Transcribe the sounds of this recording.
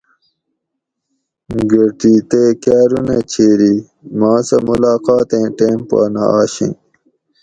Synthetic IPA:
ɡɐɾʈit̪eːkaːɾunet͡ɕʰeːɾi | mɑ̃ːsɐmulaːqɑːt̪ẽːʈeːmpa̰ːna̰aːɕḭ̃n

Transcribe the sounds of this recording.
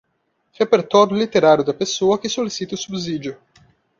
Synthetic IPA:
ʁepeɾt̪ɔɾjʊlit̪eɾaɾjʊd̪ɐpesoɐkɪsolisit̪ɐʊsubzid͡ʒjʊ

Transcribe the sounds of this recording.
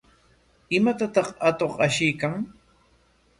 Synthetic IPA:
ɪmat̪at̪ɑχat̪oχaʃɪjkaŋ

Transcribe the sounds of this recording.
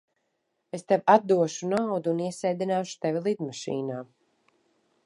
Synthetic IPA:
est̪ɛvat̪̚d̪uɔʃunawd̪uːniɛsɛjd̪inaːʃu̥t̪ɛvʲilˠid̪maʃḭːnaː

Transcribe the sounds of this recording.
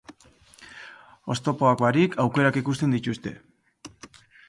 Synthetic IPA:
o̞st̪o̞po̞akbaɾikʰawke̞ɾakikust̪e̞nd̪it̪ust̪e̞̰

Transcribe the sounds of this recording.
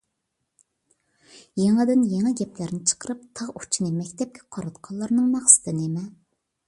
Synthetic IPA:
jeŋɛd̪ɪnjeŋɛɡʲɛplæɾnɪt͡ʃʰə̥qʰəɾɨp̚t̪ʰɑʁut͡ʃʰinɨmɛkʲt̪ʰɛp̚kʲɛqʰɑɾɑt̪qʰɑlˠːɑɾnɨŋmɑχsɨ̥t̪ʰɨnemɛ

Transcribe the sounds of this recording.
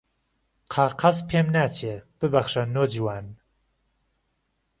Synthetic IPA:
qʰaːqʰɐzpʰeːmnaːtʰieb̥ɨbɐχʃɐnoːd͡ʒiwaːn

